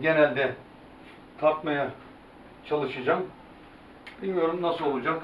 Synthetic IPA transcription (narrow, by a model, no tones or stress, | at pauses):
ɟenælʲd̪ɛ | t̪ʰapmaja | t͡ʃʰalˠɯʃɯd͡ʒam | b̥ilʲmijo̞ɾumnasɯlˠo̞lˠud͡ʒak